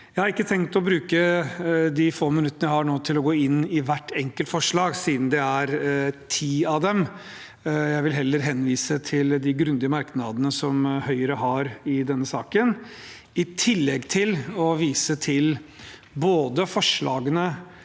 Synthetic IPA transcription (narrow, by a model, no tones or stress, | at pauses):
jjæɪhɑɾɪkːət̪ʰɛŋkt̪ɔbɾʉːkə | d̪ɪfoːmɪnʉt̪ːənəjæɪhɑɳoːt̪ʰɪlɔɡoːɪnːɪʋæʈːɛŋkəlt̪fɔʂɭɑːɡsiːd̪n̩d̪ɛæɾt̪ʰiːɑd̪ɛm | jæɪʋɪlɦɛlːəɾɦɛnːʋiːsət̪ʰɪld̪ɪɡɾʉnd̪ɪəmɑɾknɑd̪ənəsɔmhœʏəɾəɦɑɾɪd̪ɛnːəsɑːkən | ɪt̪ʰɪlːɛɡt̪ʰɪlɔʋiːsət̪ʰɪl | boːd̪əfɔʂɭɑ̰ːɡənə